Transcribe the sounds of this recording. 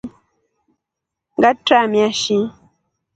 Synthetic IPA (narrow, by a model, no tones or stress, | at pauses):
ŋɡatɾamjaʃi